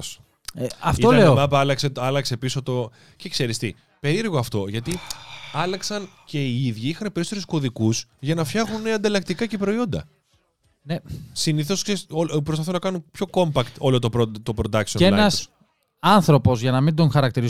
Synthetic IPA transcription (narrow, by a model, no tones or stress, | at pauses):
s | eɐfit̪oleomɐpɐɐlɐkseɐlɐkse̞piso̞t̪o̞ | cekse̞ɾist̪i | pe̞ɾiɾɣoɐft̪o̞ʝɐt̪iɐlɐksɐnce̞iiðʝiixɐnepeɾisoeɾusko̞ðikuzʝɐnɐfçɐɣunːeɐnd̪ɐlɐk̚t̪ikɐce̞pɾo̞io̞nd̪ɐ̰ | nesiniθo̞sceopɾosfɐθunɐkɐnunpço̞ko̞mpɐkt̪o̞lo̞t̪opɾot̪opɾo̞d̪ɐksioenɐs | ɐnθɾo̞po̞zʝɐnɐmind̪o̞ŋxɐɾɐk̚t̪iɾi